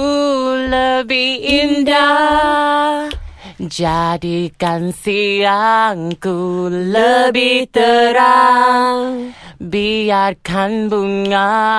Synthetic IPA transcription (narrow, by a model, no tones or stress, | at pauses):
uləbihinda | d͡ʒadikansiaŋkuləbiht̪əɾa | biarkanbuŋa